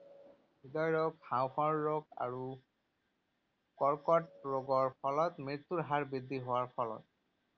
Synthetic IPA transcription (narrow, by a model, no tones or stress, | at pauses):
bidɔjɹɔkhãwxɔɹːoɡa̰ɹu | kɔɹkɔt̚ɹoɡɔɹpʰɔlɔtmit̪ːuɹɦaɹbidiɦowaɹpʰɔlɔ̰t̚